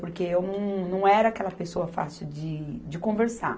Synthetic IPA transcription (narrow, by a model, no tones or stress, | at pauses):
poɾkeewnɐ̃w̃nɐ̃w̃ɛɾɐaːkɛlɐpesoɐfa̰sɪd͡ʒɪd͡ʒɪkõveɾsa̰